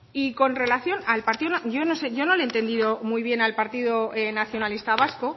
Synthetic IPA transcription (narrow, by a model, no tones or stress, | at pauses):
iko̞nre̞laθjo̞nalpaɾt̪iðonɟ͡ʝo̞no̞se̞ʝo̞no̞lent̪e̞nd̪iðo̞mujβ̞je̞nalpaɾt̪iðoenaθjo̞nalist̪aβ̞asko